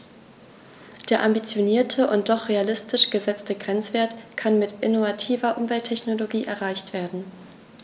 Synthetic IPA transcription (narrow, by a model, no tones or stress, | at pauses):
d̥eːɐʔambit͡sjoniːɐtʰəʔʊnt̚d̥ɔχʁ̥ealɪstɪʃɡ̥əzɛt͡stəɡʁɛnt͡sv̥eːɐtkʰanmɪtʔɪnovatʰiːvɐʔʊmvɛltʰːɛçnoloɡiːʔɛɐʁaɪçtv̥eːɐdn̩